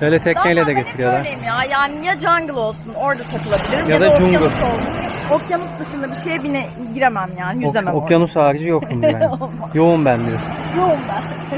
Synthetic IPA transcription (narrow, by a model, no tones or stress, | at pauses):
b̥øːlʲɛt̪ʰɛcnɛlʲɛd̪ɛɡet̪ʰiɾjad̪aejimjaːjaːnijad͡ʒaŋɡɯlˠo̞lˠsuno̞ɾd̪at̪ʰakɯlˠabilʲiɾjad̪ad͡ʒuŋɡɯlolˠuokjanusd̪ɯʃɯnd̪abiʃe̞jɛbinɛ | ɟiɾemæmjaːnijyzemæokjanushaːɾid͡ʒijokt̪umbæ | joumbænbiɾesinjoumbæ